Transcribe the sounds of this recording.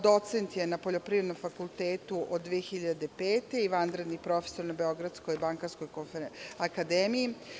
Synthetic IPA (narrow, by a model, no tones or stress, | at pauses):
d̪o̞t̪se̞nt̪je̞napo̞ʎo̞pɾiːʋed̪nomfakulˠt̪e̞ːt̪uʔod̪ːʋijexiʎad̪epeːt̪e̞iʋand̪ɾe̞d̪nipɾo̞feso̞ɾnobeo̞ɡɾad̪sko̞jibaŋkaɾsko̞jkofeakad̪eːmiji